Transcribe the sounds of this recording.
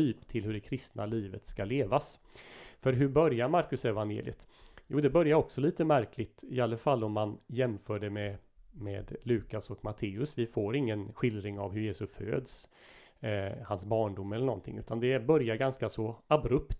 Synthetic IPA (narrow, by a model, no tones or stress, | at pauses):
yːpt̪ʰɪlɦɵɖɛkʰɾɪst̪nʔa̰liːvət̪skaleːvas | fœɾɦɵbœɾjaɾmaɾkɵsɛvanjḛːlɪ̰ə̰t̪ | juːd̪ɛbœɾjaɾɔksɔliːt̪əmæɾkʰlɪt̪ɪalːəfalːɔmːanjɛmfœːɖɛmɛ | mɛd̪lʉ̟ːkasɔkmat̪ʰeːɵsvɪfoːɾɪŋːənɧɪld̪ɾɪŋa̰vɦɵɾjeːsɵsfø̰ːd̪s | hansbɑːɳɖʊmːɛlːəɳɔ̰nt̪ʰɪ̰ŋʉ̟ːt̪and̪ɛbœɾjaɾɡanskasɔabɾɵpt̪